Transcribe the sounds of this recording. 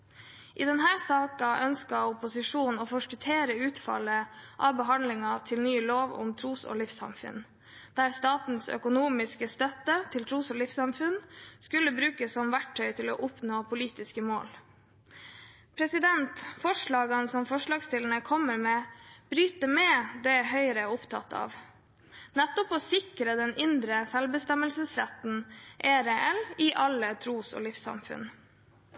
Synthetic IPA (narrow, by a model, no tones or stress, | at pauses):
ʔiːd̪ɛnɦæːsɑːkɑʔœnskɑʊpʊsɪʂuːnoːfɔʂkət̪ʰeːɾəʉːt̪fɑ̰lːəʔɑ̰ːʋbəɦɑnlɪŋɑt̪ʰɪlnyːloːʋʊ̰mt̪ʰɾuːso̰ːlɪfsɑ̰mfʉ̰n | d̪̥æːɾst̪ɑːt̪n̩sœ̰kʊnuːmɪskəst̪œt̪ːət̪ʰɪlt̪ʰɾuːsoːlɪfsɑmfʉnskʉləbɾʉːkəsːɔmʋæʈʰːœʏt̪ʰɪlo̰ːʔʊpnoːpʰʊliːt̪ɪskəmo̰ːl | pʰɾɛsɪd̪ɛnt̪fɔʂɭɑːɡɑnsɔmfɔʂɭɑːɡst̪ɪlnəkʰɔməɾmɛːb̥ɾyːt̪əmɛd̪ɛhœʏɾəʊpt̪ʰɑ̰t̪əɑ̰ːʋ | nɛt̪ːɔpɔsɪkɾəd̪ɛnɪnd̪ɾəsɛlbəst̪ɛməlsəsɾæ̰t̪nʔeːɾeʔɛlɪʔɑlːət̪ʰɾuːsɔ̰ːlɪfsɑ̰mfʉ̰n